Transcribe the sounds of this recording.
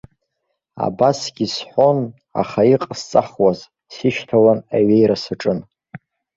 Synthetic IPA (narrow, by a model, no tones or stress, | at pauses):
a̰basɡʲisħʷo̞n | a̰χaiqʼst͡sʼaχwaz | siʃtʰalanaɥejɾasaʈ͡ʂʼɨn